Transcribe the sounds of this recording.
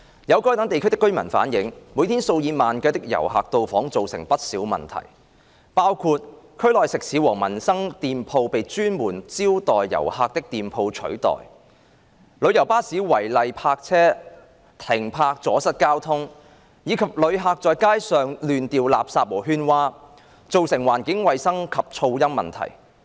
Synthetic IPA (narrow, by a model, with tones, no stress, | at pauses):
jɐ˨˧wkɔː˥jt̪ɐ˨˥ŋt̪e˨jkʰt̪ɪ˥kːɵ˥ɥmɐ˨˩nfa̰ː˨˥njɪ˨˥ŋmuː˨˥jt̪ʰiː˥nso˧wjiː˨˧maː˨nkɐ˨˧˥t̪̬ɪ˥k̚jɐ̰˨˩wɦa̰ː˨k̚t̪o˨˧wfɔː˨˥ŋt͡so˨wsɪ˨˩ŋpɐ˥t̚siː˨˥wmɐ̰˨nt̪ʰɐ̰˨˩j | paː˥wkʰuː˧t̚kʰɵ˥ɥlɔː˨jsɪ˨k̚siː˨˧˥wɔː˨˩ŋmɐ˨˩nsɐ˥ŋt̪iː˨mpʰo˧wpe˨˧jt͡ʃyː˥nmuː˨˩nt͡siː˥wt̪ɔː˨jːɐ̰˨˩whaː˨k̚t̪ɪ˥k̚t̪iː˨mpʰo˧wt͡ʃʰɵ̰˨˥ɥt̪ɔ̰ː˨j | lɵ˨˧ɥjɐ˨˩wpaː˥siː˨˥wɐ˨˩jlɐ˨jpʰaː˧k̚t͡sʰɛː˥ | t̪ʰɪ˨˩ŋpʰaː˧k̚t͡sɔː˨˥sɐ˥t̚kaː˥wt̪ʰʊ˥ŋ | jiː˨˧kʰɐ˨p̚lɵ˨˧ɥɦaː˧k̚t͡sɔː˨˧jkaː˥jsœː˨ŋlyː˨nt̪iː˨wla̰ː˨p̚saː˧p̚wɔː˨˩ɦyː˥nwaː˥ | t͡so˨wsɪ˨˩ŋwaː˨˩nkɪ˨˥ŋwɐ˨˧jsɐ˥ŋkʰɐ˨p̚t͡ʃʰo˧wjɐ˥mːɐ̰˨˩nt̪ʰɐ̰˨˩j